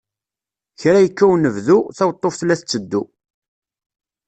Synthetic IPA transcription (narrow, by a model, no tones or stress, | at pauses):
çɾæjəkːæwnəvðuθæwt̪ˤːofθlːæθt͡sːəd̪ːu